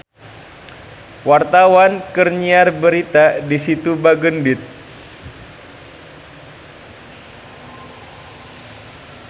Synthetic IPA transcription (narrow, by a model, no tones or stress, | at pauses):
wart̪awankərɲiarbəɾit̪adisit̪ubaɡəndɪt̪̚